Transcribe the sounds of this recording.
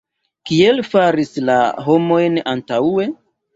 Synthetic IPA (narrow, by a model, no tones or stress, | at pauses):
kie̞lfaɾislaɦo̞mo̞jnantawe̞